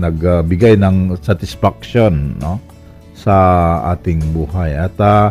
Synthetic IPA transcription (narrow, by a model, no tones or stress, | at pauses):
nɐɡabɪɡajnɐŋsat̪ɪsfak̚ʃonːo | sɐa̰ːt̪ɪŋbuːhajɐt̪a